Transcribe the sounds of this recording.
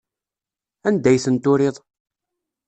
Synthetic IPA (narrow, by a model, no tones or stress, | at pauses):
ænd̪æjθənt̪ʊɾɪðˤ